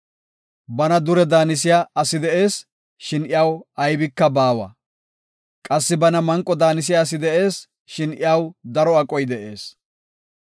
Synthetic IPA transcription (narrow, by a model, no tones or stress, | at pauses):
bɐnɐd̪ʊɾɛd̪aːnɪs̬ɪjaɐsɪd̪ɛʔe̞ːs | ʃɪnɪjawɐjbɪkːɐbaːwɐ̰ | kʼɐsːɪbɐnɐmɐŋkʼːɔd̪aːnɪs̬ɪjaːs̬ɪd̪ɛʔe̞ːs | ʃɪnɪ̰jawd̪ɐɾɔɐkʼɔjd̪ɛʔe̞ːs